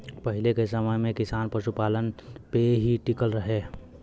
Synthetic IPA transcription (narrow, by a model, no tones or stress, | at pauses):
pəɦɪlekesəməjmẽkɪsaːnpəʃupaːlənpeɦiʈɪkəlɾəɦeː